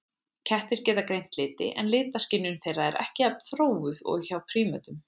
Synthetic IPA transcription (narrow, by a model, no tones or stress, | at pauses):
cʰɛht̪ɪɾ̥cɛːt̪akɾejn̥t̪lɪːt̪ɪ̰ʔɛ̰nlɪːt̪ascɪnːʏnθejraɛɾʔɛ̰hcɪaɾt̪θɾoːwʏðɔ̰ɣçawpʰɾiːmœt̪ʏm